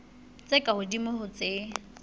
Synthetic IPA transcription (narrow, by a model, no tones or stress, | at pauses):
t͡sʼekʼahʊdimʊhʊt͡sʼe